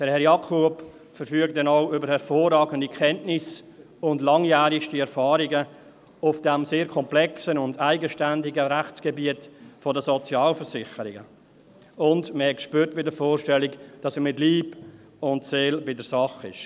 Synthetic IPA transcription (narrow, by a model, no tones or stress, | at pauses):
d̥ɛɾhɛɾjɑkʰup | fəɾfyəktdɛnaʊʏbəɾhɛɾfoːrɑːɡəndikʰχɛntnɪs | ʊndlɑŋjæːɾɪʃtiɛɾfɑːɾɪɡə | ʊfd̥ɛmseːɾkʰɔmplɛksənʊndaɪɡəʃtændɪɡəɾæχt͡sɡ̥ɛbiətfɔdəsɔt͡sjɑːlfəɾsɪχəɾɪɡə | ʊndməhɛkʃpyːɾtb̥ɪdəɾfoːɾʃtɛlɪkd̥ɑsəmɪtliːb | ʊntseːlbɪdəɾsɑχɪ̰ʃ